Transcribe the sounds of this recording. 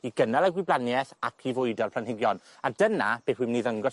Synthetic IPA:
iɡənalˠaɡwiblanjɛθakʰivʊɨdɔrpʰlanhɪɡjɔn | adənab̥eːwimniːðəŋɡɔ

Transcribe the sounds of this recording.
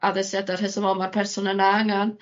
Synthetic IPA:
aðɛsjadarhɪsɔvɔmarpʰɛrsʊnənaaŋan

